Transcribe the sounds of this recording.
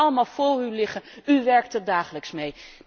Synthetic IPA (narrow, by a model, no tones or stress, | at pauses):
ɑləmaːlˠvʊːrylɪχənyʋɛɹk̚tədaːχələksmej